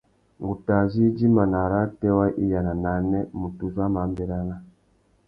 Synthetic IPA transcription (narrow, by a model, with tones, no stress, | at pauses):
ŋɡu˨ta˨zi˦d͡ʒi˦ma˨na˨ɾa˦tɛ˦wa˦ʔi˦ja˨na˨na˨nɛ˦mu˨tu˨za˦ma˨˦mbɛ˦ɾa˦na˦